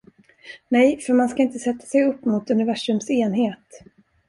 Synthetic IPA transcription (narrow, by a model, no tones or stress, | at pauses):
nɛjfœɾmanskaɪnt̪əsɛt̪ːḁsɛjɵpːmʊt̪ɵnɪvæʂɵmseːnɦeːt̪